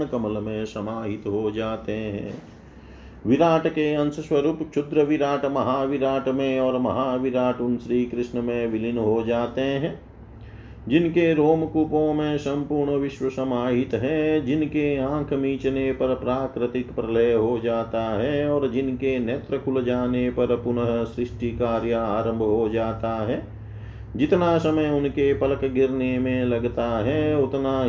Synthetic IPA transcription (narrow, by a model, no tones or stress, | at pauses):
kɐməlmẽsɐmaːɦɪt̪ɦod͡ʒaːt̪eɦɛ̰̃ː | ʋɪɾaːʈkeɐ̃nsəswɐɾuːpt͡ʃʰʊd̪ɾəʋɪɾaːʈmɐɦaːʋɪɾaːʈmẽɔːɾmɐɦaːʋɪɾaːʈʊnsɾiːkɾɪsnəmẽʋɪlɪnɦod͡ʒaːt̪eɦɛ̃ː | d͡ʒɪnkeɾoːmkupõmẽsɐ̃mpuːɾɳəʋɪʃwəsɐmaːɦɪt̪ɦɛ̃d͡ʒɪnkeãːkʰmiːt͡ʃnepɐɾpɾaːkɾɪt̪ɪkpɾɐləjɦod͡ʒaːt̪aɦɛɔːɾd͡ʒɪnkenɛːt̪ɾəkʰʊld͡ʒaːnepɐɾpʊnəɦsɾɪʃʈikaːɾjaaːɾə̃mbʱɦod͡ʒaːt̪aɦɛː | d͡ʒɪt̪nasɐməjʊnkepɐləkɡʱɪɾnemẽlɐɡt̪aɦɛːʊt̪na